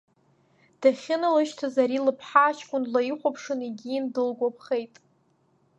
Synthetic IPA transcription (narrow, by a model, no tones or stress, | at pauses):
d̥aχʲɪnɨlɨʃtʰazaɾilɨpʰħaːt͡ʃkʷʼʊnlaiχʷapʰʂɨniɡʲiːndɨlɡʷapʰχejtʼ